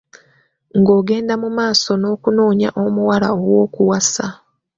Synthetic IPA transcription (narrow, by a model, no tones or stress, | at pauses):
ŋɡo̞ːɡe̞ːndamumaːso̞no̞ːkuno̞ːɲa̰ʔomuwala̰owo̞ːkuwasa